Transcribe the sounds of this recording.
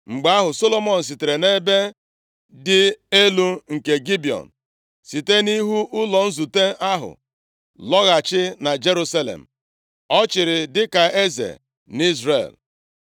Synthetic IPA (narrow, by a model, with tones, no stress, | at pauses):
ŋ͡m̩˨ɡ͡ba˦ɦʊ˨so˦lo˦mɔ˨n̩˨s̬i˨te˨ɾe˨ne˦be˦ | dɪ˦e˦lu˦ŋ̩˨ke˨ɡi˦bi˨ɔ̰˨n̩˨ | si˨te˦ni˦ɦu˦ʔʊ˦lɔ˨n̩˦zu˨te˦a˦ɦʊ̰˨ | lɔ˦ɣa˨t͡ʃɪ˦na˨d͡ʒe˦ɾu˦sa˦lḛ˨m̩˨ | ɔ˦t͡ʃɪ˨ɾɪ˨dɪ˦ka˨e˦zḛ˨ | ni˦zɾḛ˨l